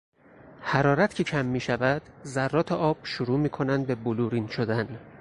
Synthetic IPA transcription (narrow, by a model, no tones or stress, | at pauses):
hæɾɒːɾæt̪cʰecʰæmːiːʃævæd̪̥zærːɒːt̪ʰeʔɒːb̥ʃuɾuːmiːkʰo̞nænd̪̚be̞boluːɾinʃod̪æn